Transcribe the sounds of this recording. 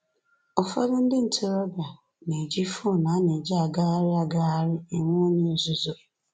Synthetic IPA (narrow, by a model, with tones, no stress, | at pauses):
ɔ˨fa̰˦dʊ˦n̩˦dɪ˦n̩˨tʰɪ˦ɾɔ˦ba˨ | ne˨d͡ʒi˦fo˦˨na˨˦ne˨d͡ʒi˦a˨ɡa˦a˦ɾɪ˦a˨ɡa˦a˦ɾɪ˦e˨ŋʷ˦o˦ɲe˦˨zʊ˦zo˨